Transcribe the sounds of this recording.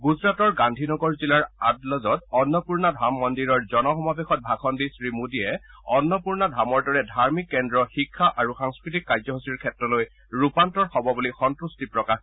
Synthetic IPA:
ɡuzɹatɔɹɡandʱinɔɡɔɹzilaɹadlɔzɔtɔnːɔpuɹnadʱamːɔndiɹɔɹzɔnɔxɔmabexɔt̚bʱakʰɔndisɹimudiɛɔnːɔpuɹnɔdʱamɔɹdɔɹɛdʱaɹmikːɛndɹɔxikʰːaʔaɹuxaŋskɹit̬ikːajzɔɦosiɹkʰɛtɹɔloj | ɹupantɔɹxɔbɔbulixɔntɹustipɹɔkax

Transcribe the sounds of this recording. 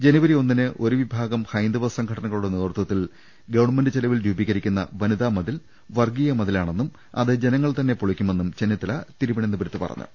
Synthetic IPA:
d͡ʑe̞nɐʋɐɾio̞nːinɨʔo̞ɾuʋibʱaːɡɐmhɐjnd̪ɐʋɐsɐŋɡʰɐɽɐnɐŋːɐɭuɽeneːrt̪wɐt̪ːil | ɡɐʋɐɳmenɖɨt͡ɕelɐʋilɾuːbikːɐɾikʲːunːɐ̰ʋɐnuðaːmɐðil | ʋɐrɡijɐmɐðilaːɳe̞nːum | ɐ̰ðɨd͡ʑe̞nɐŋːɐɭt̪ɐnːe̞poɭikʲːume̞nːumt͡ɕenːɐt̪ːilɐt̪iɾuʋɐɳenːuɨbɐɾɐt̪ːɨpɐrɐ̰ɲːṵ

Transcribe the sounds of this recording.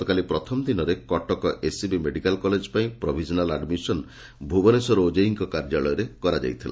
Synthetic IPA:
ɔkalipɾɔt̪ʰɔmd̪inɔɾekɔʈɔkɔʔesibimeɖikalkɔled͡ʒpaĩpɾobʱid͡ʒɔnalaɖmisɔn | bʱubɔnesɔɾod͡ʒeiŋkɔkaɾd͡ʒaɭɔjɔɾekɔɾad͡ʒa̰jt̪ʰila̰

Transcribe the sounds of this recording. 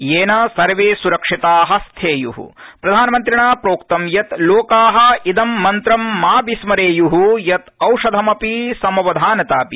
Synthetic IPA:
jeːnɐsɐɾʋeːsuɾɐkʂit̪aːɦɐ̆st̪ʰeːjṵɦṵpɾɐd̪ʱaːnɐmɐnt̪ɾiɳaːpɾoːkt̪ɐmjɐt̪loːkaːɦɐ̆id̪ɐmːɐnt̪ɾɐmːaːbismɐɾeːjuɦujɐt̪ɐwʂɐd̪ʱɐmɐpisɐmɐʋɐd̪ʱaːnɐt̪aːpi

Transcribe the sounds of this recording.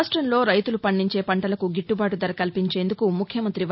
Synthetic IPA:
ʂʈɾɐnlo̞ːɾɐjt̪ulupɐɳːiɲt͡ʃe̞ːpɐɳʈɐlɐkuɡiʈːubaːʈud̪ɐɾɐkɐlpiɲt͡ʃe̞ːnd̪ukumukʰjɐmɐnt̪ɾiʋ

